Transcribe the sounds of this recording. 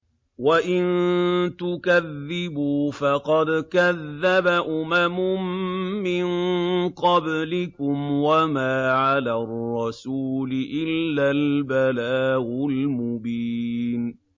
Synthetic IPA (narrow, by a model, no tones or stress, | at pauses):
waʔɪnt̪ʊkaðːɪbuːfɑqɑd̪kaðːabaʔʊmamʊmmɪnqɑblɪkʊmwamaːʕalarˤːɑsuːlɪʔɪlːalbalaːʔʊlmʊbiːn